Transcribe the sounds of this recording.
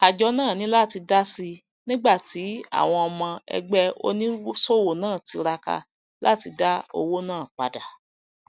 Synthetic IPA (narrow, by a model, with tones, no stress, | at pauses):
a˨d͡ʒɔ˨˧nãː˦˨nĩ˨˦la˦˨ti˧da˦si˧ | nĩ˦ɡ͡ba˦˨ti˨˦a̰˦˨w̃ɔ̃˧ɔ˧mã˧ɛ̰˧ɡ͡bɛ˦o̰˧˦nĩ˦so˦˨wo˨nãː˦˨ti˧ɾa˧ka̰˧ | la̰˦˨ti˧da˦o̰˧wo˦nãː˦˨k͡pa̰˨da˨